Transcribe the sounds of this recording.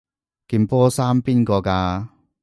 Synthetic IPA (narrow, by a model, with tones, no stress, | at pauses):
ki˧npɔː˥saː˥mpiː˦˥nkɔː˧kaː˧